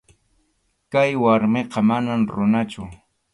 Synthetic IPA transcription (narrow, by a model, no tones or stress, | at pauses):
kajwaɾmeqɑmanamɾʊnat͡ʃʊ